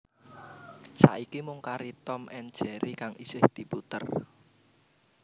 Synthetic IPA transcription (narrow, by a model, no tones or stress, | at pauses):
sa̰ʔikimʊŋkaɾit̪ɔmʔɛnd̥ʒ̥ɛɾikaŋisɪhd̪̥i̤put̪ə̰r